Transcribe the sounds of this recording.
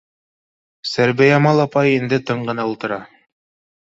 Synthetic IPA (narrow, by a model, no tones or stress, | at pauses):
sæɾbæjɑmɑlˠɑpɑjind̪ɘt̪ɤɴɢɤ̆nɑulˠt̪ɤ̆ɾɑ